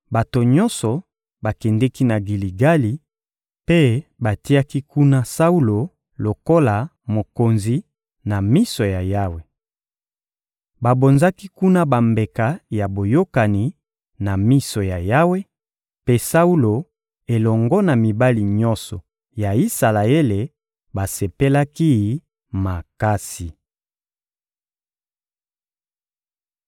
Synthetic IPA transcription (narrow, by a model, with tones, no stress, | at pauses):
ba˨to˨ɲɔ˦nsɔ˨ | ba˨kɛ˨ndɛ˦ki˦na˨ɡi˨li˨ɡa˦li˨ | pe˦ba˨ti˦a˦ki˦ku˦na˦sa˦u˦lo˨ | lo˨ko˦la˨ | mo˨ko˨nzi˦ | na˨mi˦sɔ˨ja˨ja˦we˨ | ba˨bo˨nza˦ki˦ku˦na˦ba˨mbe˨ka˨ja˨bo˨jo˦ka˨ni˨˦ | na˨mi˦sɔ˨ja˨ja˦we˦ | pe˦sa˦u˦lo˨ | e˨lɔ˨ŋɡɔ˦na˨mi˨ba˦li˨ɲɔ̃˦nsɔ˨ | ja˨i˦sa˨la˨e˦le˨ | ba˨se˨pe˦la˦ki˦ | ma˨ka˦si˨